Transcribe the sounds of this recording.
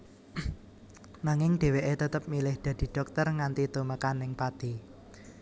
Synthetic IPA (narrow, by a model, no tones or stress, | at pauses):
naŋɪŋɖ̥e̤weʔet̪ət̪əp̚milɪhd̪̥ä̤d̪̥i̤ɖ̥ɔ̤k̚t̪ərŋant̪it̪uməkanɪŋpad̪̥i